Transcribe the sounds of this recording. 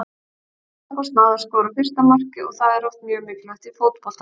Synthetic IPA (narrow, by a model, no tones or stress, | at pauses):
kast̪naðaɾskɔːɾafɪr̥st̪amar̥cɪɔɣθaðɛɾɔft̪̚mjœːmɪklat̪ifowt̪pɔl̥t̪